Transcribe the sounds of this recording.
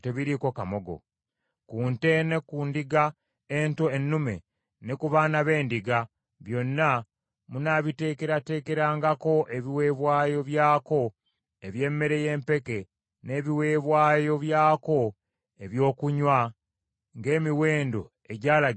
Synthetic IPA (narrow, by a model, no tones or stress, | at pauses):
te̞βiɾiko̞kamo̞ɡo̞̰ | kuːnte̞ne̞kundiɡa | eːntoenːume̞̰ | ne̞kuβanaβe̞ːndiɡa | βjo̞nːa | munaβite̞ːke̞ɾate̞ːke̞ɾaːŋɡako̞ʔe̞βiwe̞ːβwaːjo̞βjaːko̞ | eβje̞ːmːe̞ɾe̞je̞ːmpe̞ke̞ | ne̞ːβiwe̞ːβwaːjo̞βjaːko̞ | e̞βjo̞ːkuɲwa | ŋɡe̞ːmiwe̞ːndo̞ | eɟaːla